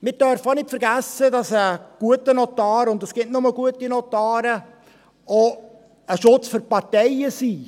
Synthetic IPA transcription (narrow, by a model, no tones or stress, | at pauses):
mɪɾdœɾfəonɪtfəɾɡæsədɑsəɡ̥uətənɔtɑːɾʊndəsɡ̥ɪtnʊməɡuətinɔtɑːɾə | o | əʃʊt͡sføɾpɑɾtɛjəsi